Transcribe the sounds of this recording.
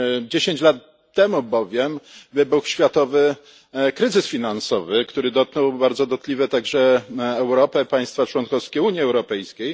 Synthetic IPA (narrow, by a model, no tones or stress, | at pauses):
d͡ʑeɕeɲt͡ɕlat̪ː | ɛmubɔvʲjɛmvɘbuxɕfʲjat̪ɔvɘ | kɾɘzɘsfʲinansɔvɘkt̪uɾɘd̪ɔt̪̚knɛwbaɾd̪zɔd̪ɔt̪lʲivɛt̪aɡʐɛːwɾɔpɛpaj̃st̪fat͡ʂwɔnkɔfskʲɛuɲjiɛwɾɔpɛjskʲej